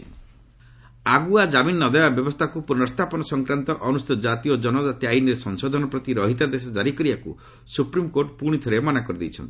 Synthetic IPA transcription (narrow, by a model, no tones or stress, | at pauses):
aɡuad͡ʒaminːɔd̪ɔjabjɔbɔst̪ʰakupuɾnɔst̪ʰapɔnɔsɔŋkɾant̪ɔʔɔnust̪it̪ɔd͡ʒat̪iɔd͡ʒɔnɔd͡ʒat̪iajniɾesɔŋsɔd̪ʱɔnɔpɾɔt̪iɾɔɦit̪ad̪es̬ɔd͡ʒaɾikɔɾibakṵ | supɾimkoɾʈpuɽ̃it̪ʰɔɾemanakɔɾid̪ḛjt͡ʃʰɔ̰nt̪i̥